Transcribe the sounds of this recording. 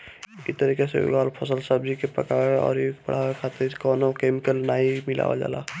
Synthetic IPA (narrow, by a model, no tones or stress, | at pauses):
it̪əɾiːkeseʊ̰ɡaːlpʰəsəlsəb̚d͡ʒikepə̰kaːeɔ̰ːɾjepə̰ɽ̤aːekʰaːt̪ɪɾkɔːnokeːmɪkəlnaːimɪla̰ʋa̰d͡ʒa̰ːla̰ː